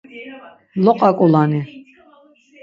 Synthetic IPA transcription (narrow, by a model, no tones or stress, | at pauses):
lɔqʼakʼɔlani